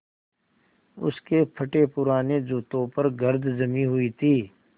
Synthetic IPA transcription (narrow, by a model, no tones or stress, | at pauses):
ʊ̰skepʰɐʈepʊɾaːned͡ʒuːt̪õpɐɾɡɐɾd̪d͡ʒɐmĩɦʊit̪ʰiː